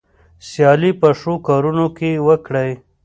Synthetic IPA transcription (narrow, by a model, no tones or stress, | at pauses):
sjɑlipəʂokɑɾunokewəkɽəj